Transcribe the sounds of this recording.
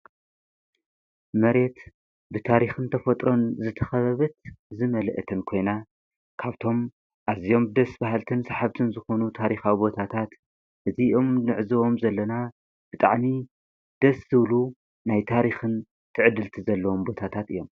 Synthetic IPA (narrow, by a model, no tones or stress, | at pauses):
mɐɾe̞t̪ | bɨt̪ʰaɾixɨnt̪ʰɐfɐt̪ʼɾo̞nzɨt̪ʰɐxɐβɐβɐt̪̚zɨmɐlʔt̪ʰɨnkʰo̞jna | kʰaβt̪ʰo̞m | ʔazijo̞mbɨd̪ɐsbaɦalt̪ʰɨnsaħaβt̪ʰɨnzɨxo̞nut̪ʰaɾixawibo̞t̪ʰat̪ʰat̪ | ʔɨziʔo̞mnɨʕɨzɨwo̞mzɐlːɐna | b̥ɨt̪ʼaʕmi | d̪̥ɐszɨβlu | najt̪ʰaɾixɨn | t̪ʰɨʕɨd̪ɨlt̪ʰizɐlːɐwo̞mbo̞t̪ʰat̪ʰat̪ɨ̰jːo̞m